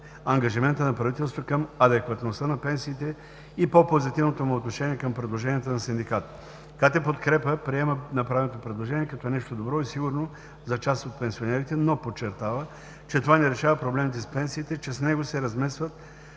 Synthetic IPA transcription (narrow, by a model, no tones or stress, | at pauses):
ɐŋɡɐʒimɛnt̪ənɐpɾɐvit̪ɛlˠst̪vokɐmɐd̪ɛkvɐt̪nost̪ənɐpɛnsiːt̪ɛ | ipopozit̪ivnot̪omʊot̪noʃɛniɛkɐmpɾɛd̪lˠoʒɛnʲiɛt̪onɐsind̪ikat̪ | kat̪ɛpot̪kɾɛpəpɾiɛmənɐpɾavɛnot̪opɾɛd̪lˠoʒɛniɛkɐt̪ɔɛnɛʃt̪od̪obɾɔisiɡʊɾno | zɐt͡ʃast̪ot̪̚pɛnsionɛɾit̪ɛnopot͡ʃːɛɾt̪avə | t͡ʃɛt̪ovanɛɾɛʃavɐpɾoblɛmit̪ɛspɛnsiːt̪ɛt͡ʃɛsnɛɡosɛɾɐzmɛsvət̪̚